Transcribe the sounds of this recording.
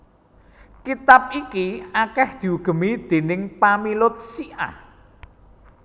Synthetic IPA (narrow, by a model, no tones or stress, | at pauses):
kit̪ap̚ikiakɛhd̪̥i̤uɡ̥ə̤mid̪̥e̤nɪŋpamilʊt̪̚siʔa̰